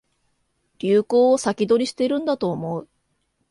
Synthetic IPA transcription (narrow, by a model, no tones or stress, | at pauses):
ɾʲɨːko̞ːsakʲid̪o̞ɾʲiɕi̥t̪e̞iɾɯ̟̃nd̪at̪o̞ːmo̞ɯ̟